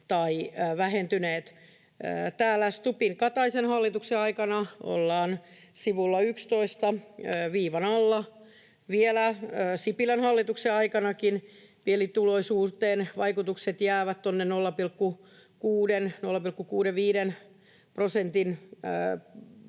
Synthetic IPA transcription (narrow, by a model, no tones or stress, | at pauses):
t̪ɑiʋæhent̪yneːt̪ | əːt̪æːlːæst̪upiŋkɑt̪ɑisenhɑlːit̪ukseɑikɑnɑo̰lːɑːn | siʋulːɑykst̪oist̪ɑəːʋiːʋɑnɑlːɑ | ʋielæøːsipilænhɑlːit̪ukseɑikɑnɑkin | pielit̪uloisuːrt̪eːnʋɑikut̪ukset̪jæːʋæt̪t̪onːennolːɑpilkːu | kuːdennolːɑpilkːukuːɾeʋʋiːɾen | prosent̪inə